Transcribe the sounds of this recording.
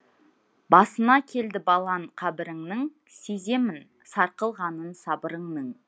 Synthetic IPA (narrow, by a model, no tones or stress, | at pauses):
bɑsənɑkʲʰe̞ld̪ɪbɑlˠɑɴqʰɑbɪɾɪŋnɪŋ | seze̞mɪn | sɑɾqəlˠʁɑnənsɑbəɾəɴnəɴ